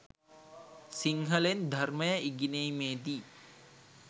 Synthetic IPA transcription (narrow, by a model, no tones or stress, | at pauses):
siŋɦəlend̪ʱarməjəiɡinejmeːd̪iː